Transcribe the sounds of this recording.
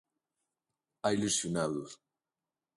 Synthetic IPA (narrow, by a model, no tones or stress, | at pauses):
ailusjunaðu